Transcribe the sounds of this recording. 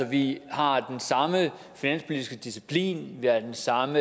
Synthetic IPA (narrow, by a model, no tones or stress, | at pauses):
ɒ̽ʋihɑ̈d̥ensɑ̈mə | finæn̰spʰo̝lidisɡ̥əd̥isipʰlḭːnʋihɑɐd̥ensɑ̈mə